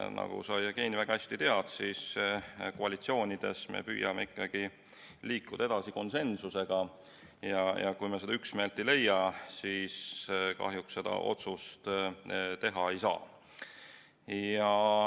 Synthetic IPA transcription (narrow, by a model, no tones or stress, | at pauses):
nɑ̰ɡ̥ṵsɑjɑkeːnivæɡ̥ɑæsʲt̪it̪e̞ɑd̪̥sis | koɑlʲit̪sio̞ːnʲid̪̥e̞̰smḛpy̰ːjɑmeikˑːɑɡ̥i | liːkːud̪̥ɑed̪ɑsiko̞nse̞nsuse̞ɡ̥ɑ | jɑjɑkujmese̞d̪ɑyksme̞ːlt̪ːejle̞jːɑsiskɑ̰ɦjuksse̞d̪̥ɑ̰ʔo̞t̪sust̪ | t̪e̞ɦɑe̞jsɑ̰ː | jɑ